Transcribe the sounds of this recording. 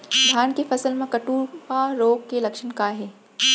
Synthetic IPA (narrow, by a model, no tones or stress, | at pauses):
d̪ʱaːnkefɐsəlmẽkɐʈuːɾkaɾoːɡkelɐkʃənkaɦeː